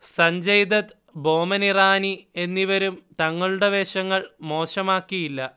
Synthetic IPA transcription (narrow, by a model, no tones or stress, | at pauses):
sɐɲd͡ʑɐjd̪ɐt̪ | bo̞ːmɐniraːnie̞nːiʋɐɾumt̪ɐŋːɐɭuɽe̞ʋeːɕɐŋːɐɭmo̞ːɕɐmaːkːijilːɐ